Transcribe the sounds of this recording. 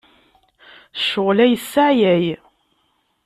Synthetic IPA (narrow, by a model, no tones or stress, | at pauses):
ʃːʊʁlæjəsːaʕjæj